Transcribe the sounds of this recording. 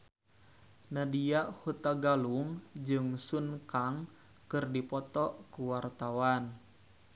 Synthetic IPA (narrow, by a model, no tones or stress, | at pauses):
nadiaʔhut̪aɡaluŋd͡ʒɨŋsunkaŋ | kɨrdipɔt̪ɔʔkuwart̪awan